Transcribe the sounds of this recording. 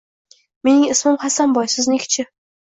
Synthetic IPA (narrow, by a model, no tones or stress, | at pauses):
me̞nɪŋɪsmɪmχasanbɒjsɪznekʲʰt͡ʃʰɪ